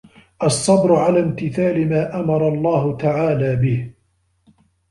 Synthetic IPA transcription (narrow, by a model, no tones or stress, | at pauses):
ʔɑsˤːɑbɾʊʕalaːmt̪ɪθaːlɪmaːʔamɑɾˤɑlˤːɑːhʊt̪aʕaːlaːbɪh